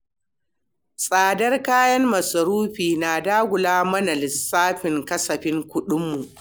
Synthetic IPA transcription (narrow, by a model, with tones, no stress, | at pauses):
sʼaː˨dɐ˦rkaː˦jɐ˦mmɐ˨sɐ˨ɾuː˦ɸiː˨naː˨daː˦ɡʷʊ˨laː˦mɐ˦na˨lɪ˨sːaː˦ɸɪ˨ŋkɐ˦sɐ˨ɸɪ˦ŋkʷʊ˦ɗʊ˦mːu˨ʔ